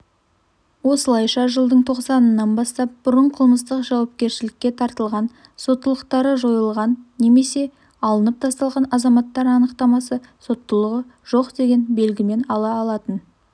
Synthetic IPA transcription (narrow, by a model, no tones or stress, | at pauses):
wo̞səlˠɑjʃɑʒəlˠd̪əɴt̪ʰo̞qsɑnənːɑnbɑst̪ɑp̚b̥ʊɾəɴqʰəlˠməst̪əqʒɑwɑp̚kʲe̞ɾʃɪlɪkʲːe̞t̪ʰɑɾt̪əlˠʁɑn | so̞t̪ːəlˠəqt̪ɑɾəʒo̞jəlˠʁɑnːe̞me̞se̞ | ɑlˠənəp̚t̪ʰɑst̪ɑlˠʁɑnɑzɑmɑt̪ːɑɾɑnəqt̪ɑmɑsə | so̞t̪ːəlˠəʁə | ʒ̥o̞qd̪e̞ɡʲe̞nbe̞lɡʲɪme̞nɑlˠɑːlˠɑt̪ən